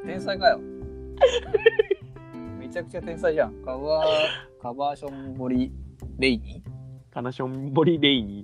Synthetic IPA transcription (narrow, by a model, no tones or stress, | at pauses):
t̪ẽ̞ɰ̃saikajo | me̞t͡ɕakɯ̟̥t͡ɕat̪ẽ̞ɰ̃saiʑãŋkaβaːkabaːɕõmboɾʲiɾe̞iɲ̟ikanaɕõmboɾʲiɾeiɲ̟i